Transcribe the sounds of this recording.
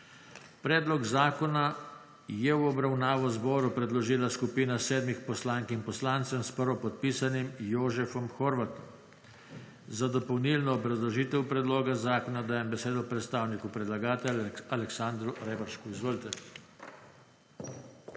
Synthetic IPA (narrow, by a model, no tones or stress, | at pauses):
pɾɛːd̪lɔɡzaːkɔna | jɛwɔbɾawnaːʋɔzbɔːɾupɾɛd̪lɔʒiːlaskupiːnasɛːd̪mixpɔslaŋkimpɔslant̪sɛmspəɾʋɔpɔt̪̚piːsanimjoːʒɛfɔmxɔɾʋat̪ɔm | zad̪ɔpɔwnilnɔːbɾazlɔʒiːt̪ɛwpɾɛd̪loːɡazaːkɔnad̪aːjɛmbɛseːd̪ɔpɾɛt̪st̪aːwnikupɾɛd̪laɡaːt̪ɛalɛksand̪ɾuɾɛːbaɾʃkuizʋoːlit̪ɛ